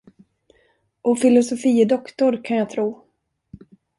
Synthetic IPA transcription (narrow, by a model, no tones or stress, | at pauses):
ʔɔfɪlʊsʊfiːd̪ɔkt̪ʊɾkʰanjaːt̪ʰɾuː